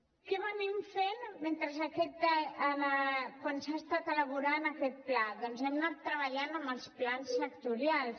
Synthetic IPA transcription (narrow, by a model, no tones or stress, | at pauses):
kɛβənimfenment̪ɾəzəkɛt̪̚əəəkwansaːst̪at̪ələβ̞uɾanəkɛt̪̚plaðɔnzɛmnat̪ːɾəβəʎanəmbəlˠsplansːək̚t̪uɾialˠ